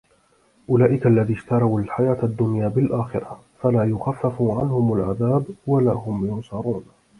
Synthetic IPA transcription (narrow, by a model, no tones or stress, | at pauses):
ʔʊlaːʔɪkaalːaðiːʃt̪ɑɾˤɑwalħajaːt̪ad̪ːʊnjaːbɪlʔaːxɪɾɑ | falaːjʊxafːafuʕa̰nhʊmalʕaðaːbwala̰ːɦʊmjʊnsɑɾˤuːn